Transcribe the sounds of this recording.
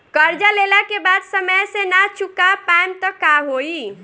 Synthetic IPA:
kəɾd͡ʒalelakebad̪səməjsẽnat͡ʃukapaemt̪ɔkaɦoi

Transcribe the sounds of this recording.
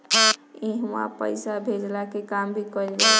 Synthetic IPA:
eɦwa̰pə̰ɪsabʱed͡ʒlakekambʱikɔlɡe

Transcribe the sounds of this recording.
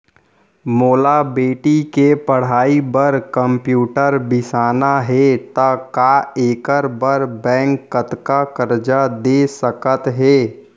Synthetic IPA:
moːlabeːʈikepɐɽ̤aːibəɾkəmpjuːʈəɾbɪsaːnaɦɛt̪ɐkaːeːkəɾbəɾbɛ̃ːŋkːət̪kakəɾd͡ʒad̪esəkət̪ɦɛː

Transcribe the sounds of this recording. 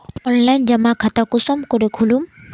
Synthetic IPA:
ɔnlajnd͡ʒɐmakʰat̪akusɔmkɔɾekʰulum

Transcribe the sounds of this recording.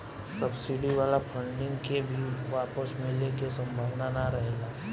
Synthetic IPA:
səbsɪɖiʋaːlapʰə̃ɳɖɪ̃ŋɡkebʱiʋaːpəsmẽlekesə̃mbʱaːʋnanaɾəɦlaː

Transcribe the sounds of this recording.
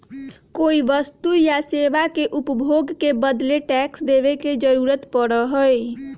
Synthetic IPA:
koiʋəst̪ujaseʋakeʔupəbʱoɡkebəd̪leʈɛksd̪ebeked͡ʒəɾuɾət̪pəɽəɦoj

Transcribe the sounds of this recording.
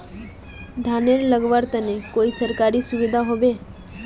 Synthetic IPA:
d̪ʱaneɾləɡʋaɾt̪ənekoisəɾkaɾisʊʋɪd̪ʱaɦoʋe

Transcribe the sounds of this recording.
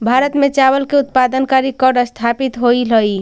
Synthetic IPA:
bʱaɾət̪met͡ʃabəlkeut̪pad̪ənkaɾikəɾɖəst̪ʰapit̪ɦoiləj

